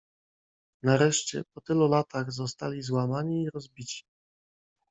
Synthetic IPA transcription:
naɾɛʂt͡ɕɛ̰pɔt̪ɘlulat̪aɣzɔst̪alʲizwamaɲiːɾɔzbʲit͡ɕi̥

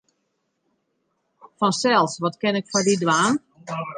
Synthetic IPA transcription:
fɔnsɛlˠsʋɔtkɪnɪkfɔdidʋaːn

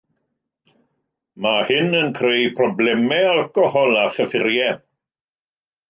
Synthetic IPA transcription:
mahɪnənkʰrejpʰrɔblɛmɛalkɔhɔlˠaɬəfɪɾjɛ

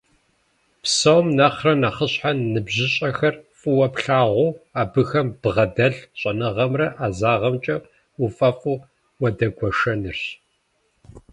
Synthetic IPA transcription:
psɐwmnɐχrɐnaːχəɕħanːɨbʑɪɕʼɐxɐrfʼɨwɐpɬaːʁʷuaːbɨxɐmb̥ʁɐdɐɮɕʼɐnɨʁɐmrɐʔaːzaːʁɐmt͡ʃʼɐ | ufʼɐfʼu | wɐdɐɡʷɔʂɐnɨrɕ

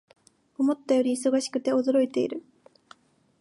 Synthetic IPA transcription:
o̞mo̞t̪ːajo̞ɾʲiːso̞ɡaɕi̥kɯ̟t̪e̞o̞d̪o̞ɾo̞it̪e̞ḭɾɯ̟

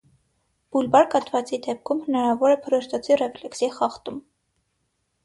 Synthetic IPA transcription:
b̥ulbɑɾkɑt̪vɑt͡sid̪ɛp̚kʰumhənɑɾɑvɔɾɛpʰəɾɔʃt̪ɑt͡sʰirɛflɛksiχɑχt̪um

